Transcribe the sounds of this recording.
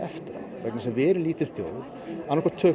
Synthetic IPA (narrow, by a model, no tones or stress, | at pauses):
ɛft̪ɪɾa̰vɛknɪsaðvɛːɾʏliːt̪ɪ̥θjoːwð | anɔhkvaɾt̪ʰœː